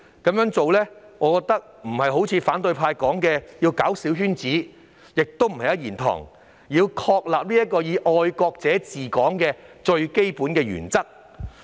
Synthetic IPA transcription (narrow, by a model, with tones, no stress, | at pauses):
kɐ˨˧mjœː˨˥ŋt͡so˨wlɛː˥ŋɔː˨˧kɔː˧k̚t̪ɐ˥k̚m̩˨˩hɐ˨jɦo˨˥wt͡sʰiː˨˧faː˨˥nt̪ɵ˧ɥpʰaː˧jkɔː˨˥ŋkɛː˧jiː˧wkaː˨˥wsiː˨˥wɦyː˥nt͡siː˨˥ | jɪ˨k̚t̪o˥wm̩˨˩hɐ˨jɐ˥jiː˨˩nt̪ʰɔ̰ː˨˩ŋ | jiː˧wkʰɔː˧k̚laː˨p̚liː˥jɐ˥t̚kːɔː˧jiː˨˧ʔɔː˧jkɔː˧k̚t͡sɛː˨˥t͡siː˨˩kɔː˨˥ŋkɛː˧t͡ʃɵ˧ɥke˥jpuː˨˥nkɛː˧jy̰ː˨˩nt͡sɐ˥k̚